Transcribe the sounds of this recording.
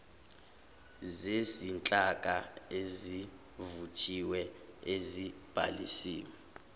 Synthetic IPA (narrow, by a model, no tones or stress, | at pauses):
zesint͡ɬʼakʼaezi | vut͡ʃʰʼiwɛezib̥ʱa̰lisiːwɛ